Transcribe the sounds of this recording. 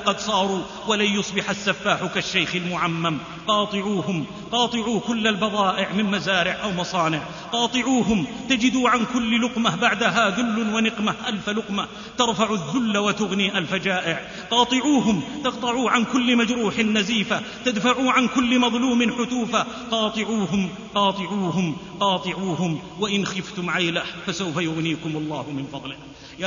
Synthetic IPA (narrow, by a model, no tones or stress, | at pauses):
qɑd̪sˤɑːɾˤuː | walajʊsˤbɪħasːafːaːħʊkaʃːajxɪlmʊʕamːam | qɑːt̪ˤɨʕuːɦʊm | qɑːt̪ˤɨʕuːkʊlːalbɑðˤɑːʔɪʕmɪnmazaːɾɪʕʔawmɑsˤɑːnɪʕ | qɑːt̪ˤɨʕuːɦʊmt̪ad͡ʒɪd̪uːʕankʊlːlʊqmabaʕd̪aɦaːðʊlːʊnwanɪqmaʔalfalʊqma | t̪ɑɾˤfaʕʊðːʊlːawat̪ʊɣniːʔalfad͡ʒaːʔɪʕ | qɑːt̪ˤɨʕuːɦʊmt̪ɑqt̪ˤɑʕuːʕankʊlːmad͡ʒɾuːħɪnːaziːfa | t̪ad̪faʕuːʕankʊlːmɑðˤluːmɪnħʊt̪uːfa | qɑːt̪ˤɨʕuːɦʊm | qɑːt̪ˤɨʕuːɦʊmqɑːt̪ˤɨʕuːhʊm | waʔɪnxɪft̪ʊmʕajlahfasawfajʊɣniːkʊmɑlˤːɑːhʊmɪnfɑðˤlɪ